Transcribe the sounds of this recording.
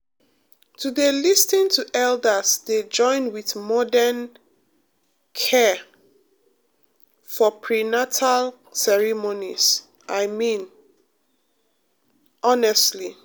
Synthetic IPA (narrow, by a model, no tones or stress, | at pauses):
tʰudelistĩntʰuʔɛldəsded͡ʒɔ̃ɪ̃nwiθmɔdɛn | kʰɛ | fɔpʰɹinatʰal | sɛɹimonis | ʔaɪmĩn | ɔnɛstli